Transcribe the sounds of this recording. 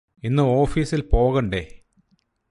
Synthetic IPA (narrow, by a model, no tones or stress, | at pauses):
inːɨo̞ːfiːsilpo̞ːɣɐɳɖe